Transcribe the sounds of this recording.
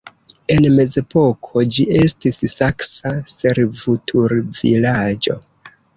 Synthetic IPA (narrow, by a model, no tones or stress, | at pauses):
e̞nme̞ze̞po̞kʰod͡ʒie̞stissaksase̞ɾvutʰuɾvḭlad͡ʒo̞̰